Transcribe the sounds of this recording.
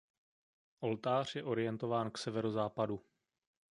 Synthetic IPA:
ʔo̞lt̪aːr̝jɛʔo̞ɾɪjɛnt̪o̞vaːnksɛvɛɾozaːpadu

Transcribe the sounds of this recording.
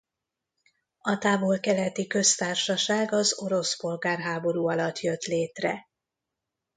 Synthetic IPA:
ɒt̪aːvo̞lkɛlɛt̪ikø̞st̪aːrʃɒʃaːɡɒzo̞ɾo̞spo̞lɡaːrɦaːbo̞ɾuːɒlɒt̪jø̞t̪leːt̪rɛ̰

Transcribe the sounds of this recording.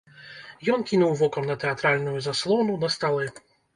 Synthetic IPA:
jɔnkʲinuwvɔkɐmnɐt̪ɛat̪ɾalʲnujuzaslˠɔnunɐst̪alˠɛ

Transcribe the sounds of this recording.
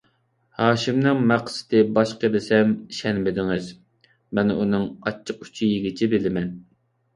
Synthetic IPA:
hɑːʃɪmnɨŋmæqsɪ̥t̪ɪbɑʃqəlɪsɛmʃɛnbɪd̪ɪŋɪz | mɛnunɨŋɑ̰t͡ʃʰːəqy̥t͡ʃʰijiɡʲɪt͡ʃʰibɪlɪmɛn

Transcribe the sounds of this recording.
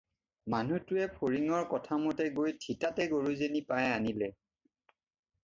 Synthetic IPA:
manutʊɛpʰoɹiŋɔɹkɔtʰamɔtɛɡojtʰitatɛɡoɹuzenipajanilɛ

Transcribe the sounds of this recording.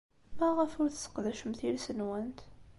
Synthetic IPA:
mæʁəfʊɾθə̥sə̥qðæʃmθilsənwænt̪

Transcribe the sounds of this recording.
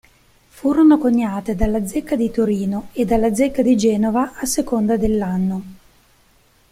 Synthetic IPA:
fuːɾonokoɲːaːt̪ed̪alːad̪zekːad̪it̪oɾiːnoed̪ːalːad̪zekːad̪id͡ʒɛːnovaːsekond̪ad̪elːanːo

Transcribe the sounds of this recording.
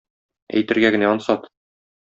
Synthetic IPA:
æ̰jt̪ɘ̆ɾɡæɡɘ̆næɒnsɑt̪

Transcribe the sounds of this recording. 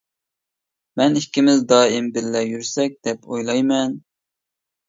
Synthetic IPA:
mɛnikʲːimɪzd̪ɑːɪmbɪlːɛjyɾsɛk̚ʲd̪̥ɛpʰojlˠɑjmɛn

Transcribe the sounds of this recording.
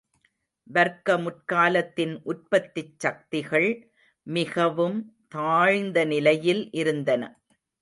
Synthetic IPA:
ʋɐɾkɐmʊʈkaːlɐt̪ːɪnʔʊr̚pɐt̪ːɪt͡ʃsɐk̚t̪ɪɣɐɭ | mɪɣɐʋɯmt̪aːɻnd̪ɐnɪlɐjɪlʔɪɾɯnd̪ɐnɐ̰

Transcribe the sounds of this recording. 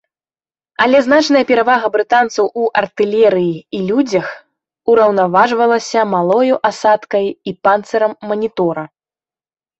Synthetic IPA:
ɐlʲɛznat͡ʂnɐjɐpʲɛɾavaɣɐbɾɨt̪ant̪sɐwʔuʔɐrt̪ɨlʲɛɾɨjiilʲud͡zʲɐx | uɾɐwnavaʐvɐlˠɐsʲɐmalˠɔjuʔasat̪kɐjipant̪sɐɾɐmːɐnʲit̪ɔɾɐ

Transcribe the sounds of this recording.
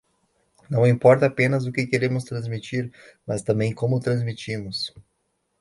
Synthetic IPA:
nɐ̃w̃ĩpɔɾt̪ɐapẽnɐzʊkɪkeɾẽmʊst̪ɾɐ̃zmit͡ʃiɾmɐst̪ɐ̃mbẽj̃kõmʊt̪ɾɐ̃zmit͡ʃimʊs

